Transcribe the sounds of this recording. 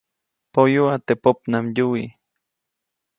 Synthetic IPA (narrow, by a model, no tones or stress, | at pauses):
pojuat̪epop̚namjui